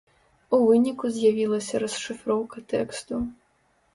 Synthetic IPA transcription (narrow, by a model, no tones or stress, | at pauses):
uvɨnʲikuzʲjavʲilˠɐsʲɐɾɐsʂɨfɾɔwkɐt̪ɛkst̪u